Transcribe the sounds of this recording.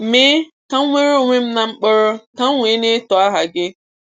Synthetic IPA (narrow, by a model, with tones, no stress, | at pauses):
me˦ | ka˦ŋʷe˦ɾe˦o˨ŋʷe˦m̩˦na˨ŋ͡m̩˦k͡pʊ˦ɾʊ˦ka˦ŋʷe˨˦ne˦tɔ˨a˦ɦa˨ɡɪ˦